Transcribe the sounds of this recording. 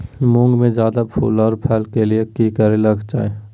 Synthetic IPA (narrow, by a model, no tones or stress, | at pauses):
mʊ̃ŋɡmẽd͡ʒjaːd̪apʰṵːlɔːɾpʰɛːlkeliekikəɾelɐɡd͡ʒa̰ːeː